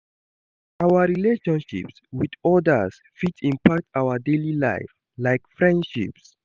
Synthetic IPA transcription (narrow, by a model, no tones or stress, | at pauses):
ʔawəɹileʃɔ̃nʃḭpswidɔdəs | fitsĩmpʰak̚tawədelila̰ɪf | lajkfɹɛ̃ndʃḭps